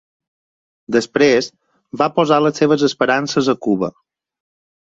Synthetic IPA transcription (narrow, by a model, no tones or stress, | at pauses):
d̪əspɾez | bapozaləsːeβ̞əzəspəɾansəzəkuβə̰